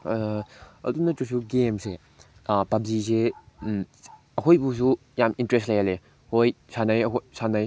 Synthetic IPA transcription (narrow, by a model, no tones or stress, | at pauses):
ɐ̰dunɐtusuɡemse | pab̚zise | ɐkʰojbusu | jamintɾestlajale | hojsanajɐkʰosanaj